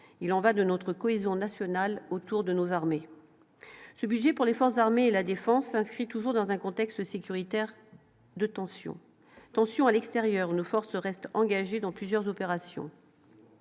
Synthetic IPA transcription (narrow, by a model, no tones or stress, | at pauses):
ilɑ̃vad̪ənɔt̪χəkɔezjɔ̃nasjɔnalot̪uʁd̪ənozaʁme | səbyd̪ʒɛpuʁlefɔʁszaʁmeːlad̪efɑ̃sːɛ̃skχit̪uʒuʁd̪ɑ̃zɛ̃kɔ̃t̪ɛkst̪sekʲyʁit̪ɛʁ | d̪ət̪ɑ̃sjɔ̰̃ | t̪ɑ̃sjɔ̃alɛkst̪eʁjœʁunofɔʁsəʁɛst̪ɑ̃ɡaʒed̪ɑ̃plyzjœʁzɔpeʁasjɔ̰̃